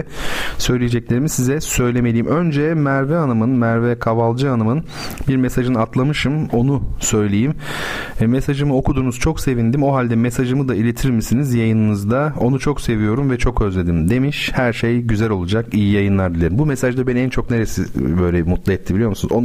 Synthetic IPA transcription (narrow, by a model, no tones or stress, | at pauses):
sø̞jlʲijed͡ʒɛclʲe̞ɾimisizɛsø̞jlʲe̞me̞lʲiːimʔø̞nd͡ʒɛmæɾvɛanɯmɯnmæɾvɛkʰavalˠd͡ʒɯanɯmɯn | biɾmesaʒɯnɯat̪lˠamɯʃɯmo̞nusø̞jlʲejimː | esaʒɯmɯo̞kud̪uːnuz̥t͡ʃʰo̞kse̞vind̪imo̞ɦalʲd̪ɛmesaʒɯmɯd̪ailʲet̪ʰiɾmisinizjajɯnɯnɯzd̪ao̞nut͡ʃʰo̞kse̞vijo̞ɾumvɛt͡ʃʰo̞kø̞zlʲe̞d̪imd̪e̞miʃhæɾʃejɟyzælʲo̞lˠud͡ʒakijijajɯnlˠaɾd̪ilʲˠeɾimbumesaʒd̪ɛbɛnænt͡ʃʰo̞kne̞ɾesibø̞jlʲɛmut̪lˠaɛt̪ʰːibilʲijo̞ɾmusunuzo